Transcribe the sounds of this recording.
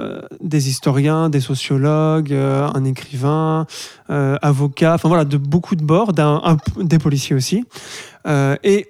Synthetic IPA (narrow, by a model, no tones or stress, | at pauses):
d̪ezist̪ɔʁjɛ̃d̪esɔsjɔlɔɡøɛ̰̃nekχivɛ̃ | øavɔkʲaɑ̃fɛ̃vwalad̪əbokʰud̪əbɔʁd̪ɛ̃ʔɛ̃d̪epɔlisjeosi | øe